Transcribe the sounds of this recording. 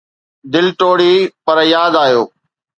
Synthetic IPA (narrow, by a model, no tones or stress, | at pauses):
d̪ɪlʈoːɽiːpɐɾjaːd̪aːjoː